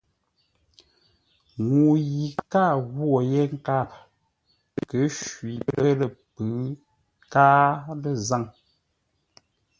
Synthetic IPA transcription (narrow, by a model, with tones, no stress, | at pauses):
ŋu˨ji˨ka˦˨ɣwo˨je˦ŋ̩˦ka˦˨p̚ | kə˨˦ʃwi˨ə˦lə˦lə˨pɨ˨˦ | kaː˦lə˦˨za˦˨ŋ